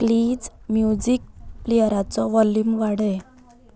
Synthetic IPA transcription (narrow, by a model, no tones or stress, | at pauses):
kliːd͡zmjud͡ʑik̚plijəɾat͡sɔʋɔlːumʋaɽe